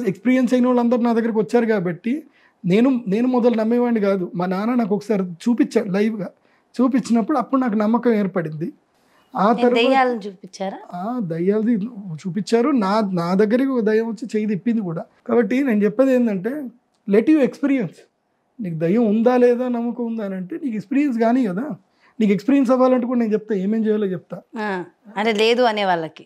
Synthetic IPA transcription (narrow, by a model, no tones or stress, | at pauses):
ekspiːɾijɐnsɐjnɐʋaːɭlɐnd̪ɐɾunaːd̪ɐɡːɐɾikiʋɐt͡ʃːaːɾukaːbɐʈːi | ne̞ːnune̞ːnumɔd̪ɐlnɐmːiʋaːɳɖikaːd̪umaːnaːnaːnaːk̬ɔkɐ̥saːɾit͡ʃuːpit͡ʃːaːɾulɐjʋɡaː | t͡ʃuːp̬it͡ʃːinɐpːuɽuɐpːuɽunaːk̬unɐmːɐkɐme̞ːɾpɐɽind̪i | aːt̪ʰɐɾɐɐpaːlɐnt͡ʃuːpit͡ʃːaːɾaːd̪ɐjːaːlɐd̪it͡ʃuːpit͡ʃːaːɾunaːnaːd̪ɐɡːɐɾikiɔkɐd̪ɐjɐmʋɐt͡ʃːit͡ʃejt̪ipːind̪ikuːɽaːkaːbɐʈːine̞ːnut͡ʃɛpːɐd̪eːnd̪ɐɳʈ̬e̞ː | leʈjuːekspiːɾijɐns | niːkud̪ɐjɐmund̪aːlɛːd̪aːnɐmːukɐund̪aɐnɐɳʈeːniːkekspiːɾiɐns̬ɡaːniːkɐd̪aː | niːkekspiːɾijɐns̬ɐʋaːlɐɳʈ̬ːukuːɽaɐneːnt͡ʃɛp̚t̪aːeːmeːɲd͡ʒejaːlot͡ʃɛp̚t̪aːɐʈeleːd̪uɐneːʋaːɭːɐki